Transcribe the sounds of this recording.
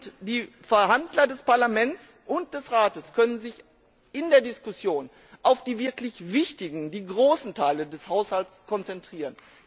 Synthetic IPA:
ʊtd̥iː | fɛɐɦandlɐdɛspaɐlamɛnt͡sʔʊnt̚d̥ɛsʁaːtəskʰœnənzɪç | ʔɪndeːɐdɪskʊsjoːn | ʔaʊfd̥iːvɪɐklɪçvɪçtɪɡŋ̩diːɡʁoːsn̩tʰaɪlədɛshaʊshaltt͡skʰɔnt͡sɛntʁ̥iːʁ̞ən

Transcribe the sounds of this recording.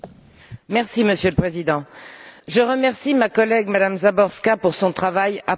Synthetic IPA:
mɛʁsiməsjøləpχezid̪ɑ̃ʒəʁəmɛʁsimakɔlɛɡmad̪amzabɔʁskapuʁsɔ̃t̪χavaja

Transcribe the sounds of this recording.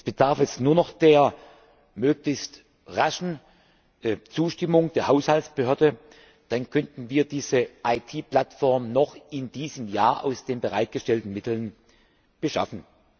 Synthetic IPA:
sb̥əd̥aɐfɛsnuːɐnɔχd̥eːɐ | møːklɪçst | ʁaʃn̩ | t͡suːʃtɪmʊŋd̥eːɐhaʊshaltsb̥əhøːɐdə | d̥ankʰœntn̩viːɐdiːzəʔaɪtʰiːpl̥atfɔɐmnɔχɪndiːzəmjaːɐʔa̰ʊsd̥eːnbəʁaɪt̚ɡ̥əʃtɛltn̩mɪtl̩n | b̥əʃa̰fn̩

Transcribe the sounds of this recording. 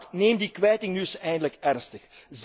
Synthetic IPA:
tneːmdikʋɛjtɪŋnysɛjndələkɛrnstəxz

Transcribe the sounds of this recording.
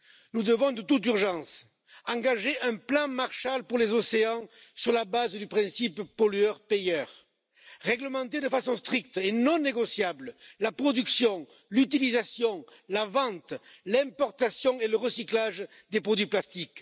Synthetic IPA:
nud̪əvɔ̃d̪ət̪ut̪yʁʒɑ̃s | ɑ̃ŋɡaʒeʔɛ̃plɑ̃maʁʃalpuʁlezɔseɑ̃syʁlabazd̪ypχɛ̃sippɔlyœʁpejœʁ | ʁɛɡləmɑ̃t̪ed̪əfasɔ̃st̪χikt̪enɔ̃neɡɔsjabləlapχɔd̪yksjɔ̃ | lyt̪ilizasjɔ̃lavɑ̃t̪lɛ̃mpɔʁt̪asjɔ̃eləʁəsiklaʒ | d̪epχɔd̪ɥiplast̪ik

